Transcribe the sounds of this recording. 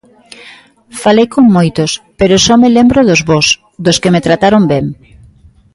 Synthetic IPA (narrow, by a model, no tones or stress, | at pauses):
falejkoŋmojt̪ʊspeɾosɔmelembɾoðozβɔs | d̪ʊskemet̪ɾat̪aɾombeŋ